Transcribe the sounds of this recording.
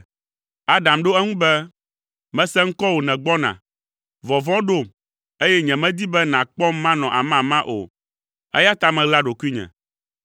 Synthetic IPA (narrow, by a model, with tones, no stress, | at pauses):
a˦ɖã˨mɖo˦ɛ˦ŋũ˦bɛ˦ | mɛ̃˦sɛ̃˦ŋ̩˦kɔ˦wo˨nɛ̃˨ɡ͡bɔ˦nã̰˨ | vɔ˨vɔ̃˦ɖo˦˨ | e˦jɛ˦ɲɛ̃˨mɛ̃˦d̪i˦bɛ˦nã˨k͡pɔ˦mːã˦nɔ̃˨ʔa˨mã˦˨mã˦ʔo̰˨ | ɛ̰˦ja˦t̪a˦mɛ̃˨ɡla˦ɖo˨ku˦i˦ɲɛ̰̃˨